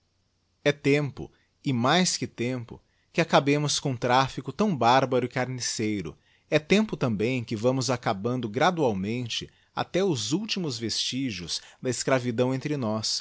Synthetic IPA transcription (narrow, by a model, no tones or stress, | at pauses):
ɛt̪ẽmpʊ̰ | ɪmajskɪt̪ẽmpʊ̰ | kɪakabẽmʊskõũt̪ɾafikʊt̪ɐ̃w̃baɾbɐɾʊɪkaɾnisejɾʊ̰ | ɛt̪ẽmpʊt̪ɐ̃mbẽj̃kɪvɐ̃mʊzakabɐ̃nd̪ʊɡɾad̪uawmẽnt͡ʃɪ | a̰t̪ɛʊzuwt͡ʃimʊzvest͡ʃiʒʊz̥d̪ɐɪskɾavid̪ɐ̃w̃ẽnt̪ɾɪnɔs